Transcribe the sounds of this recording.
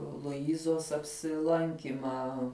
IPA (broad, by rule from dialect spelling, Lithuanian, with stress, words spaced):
lˠʊˈɪzoːs ɐpʲsʲɪˈlˠɐŋʲkʲiːmɑː